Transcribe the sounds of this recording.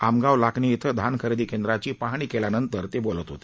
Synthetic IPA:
amɡaʋlakniit̪ʰəd̪ʱankʰəɾd̪iːkend̪ɾat͡ɕiːpaɦɽ̃iːkelanənt̪əɾt̪ebolət̪ɦot̪e̥i

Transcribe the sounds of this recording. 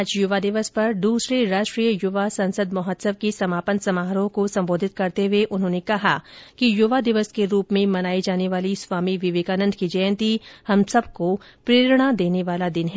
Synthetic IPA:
aːd͡ʒjʊʋad̪ɪʋəspɐɾd̪uːsɾeɾaːʃʈɾiːjəjʊʋasɐ̃nsəd̪mɐɦət̪səbkisɐmaːpənsɐmaːɦɾõkosɐ̃mboːd̪ʱɪt̪̚kɐɾt̪eʋeʔʊnɦõːnekɐɦakijʊʋad̪ɪʋəskeɾuːpmẽmɐnaːid͡ʒaːneʋaːlisʋaːmiʋɪʋeːkaːnə̃nd̪ʱkid͡ʒɐjə̃nt̪ihɐmsɐb̚ko | pɾeːɾɽ̃ad̪eːneʋaːlad̪ɪnɦɛː

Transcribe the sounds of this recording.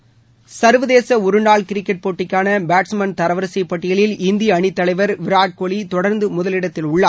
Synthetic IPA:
sɐɾʋɐðeːsɐʊɾɯnaːɭkɪɾɪkːɛʈ̚poːʈːɪkːaːnɐbaːʈsmɐnt̪ɐɾɐʋɐɾsɐɪpːɐʈːɪjɐɭɪlɪnd̪ɪjɐːɳɪt̪ːɐlɐɪʋɐɾʋɪɾaːʈ̚koɭit̪ɔɽɐɾnd̪ɯmʊðɐlɪɽɐt̪ːɪlʊɭːaː

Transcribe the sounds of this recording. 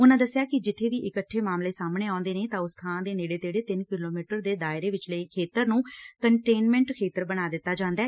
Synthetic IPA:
ʊnãːd̪əsːɪjaːkɪd͡ʒɪt̪ʰːeːʋiːʔɪkəʈʰːeːmaːmleːsaːmɳeːaːʊnd̪eːneːt̪ãːʊst̪ʰãːnd̪eːneːɽeːt̪eːɽeːt̪ɪnkɪloːmiːʈəɾd̪eːd̪aːɪɾeːʋɪt͡ʃləikʰeːt̪əɾnũːkəɳʈeːnmɛ̃ːɳʈkʰeːt̪əɾbənaːd̪ɪt̪ːaːd͡ʒãːnd̪aː

